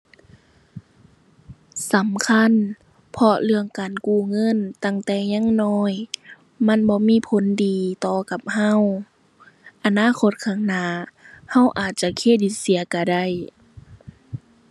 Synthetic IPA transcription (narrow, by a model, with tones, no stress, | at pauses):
sa˨˦mkʰa˧˥˨n | pʰɔ˧lɯ˧˨əŋkaː˨nkuː˧˩ŋɤ˧˥˨nt̪a˧˩˨ŋt̪ɛː˧˩ɲaː˧˥˨ŋnɔː˧˥˩j | ma˧˥˨nbɔː˧˦miː˧˥˨pʰo˨˦ndiː˨˩t̪ɔː˧˩ka˧˦p̚ha˧˥˨w | ʔa˨naː˧˥˨kʰo˧˦t̪̚kʰaː˧˩ŋnaː˧˩˨ha˧˩˨wʔaː˨˩t̪̚t͡ɕa˧kʰeː˧˥˨di˧˦t̪̚si˨˦ɐka˧˩da˧˩˨j